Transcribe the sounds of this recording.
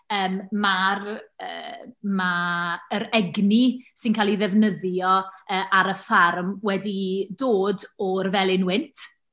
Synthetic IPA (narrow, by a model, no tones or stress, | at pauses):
əːmmarə̰ːmaəɾɛɡnisɪnkʰaːlˠiðɛvnəðjɔəːʔaɾəfarmwɛdidoːdɔrvɛlˠɪnwɪntʰ